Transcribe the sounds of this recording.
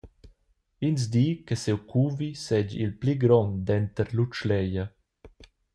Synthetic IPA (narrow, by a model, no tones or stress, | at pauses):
ins̬d̪iːkəsewkʰuːvisɛd͡ʒḭlpliɡɾɔnd̪ɛnt̪əɾlut͡ʃlɛja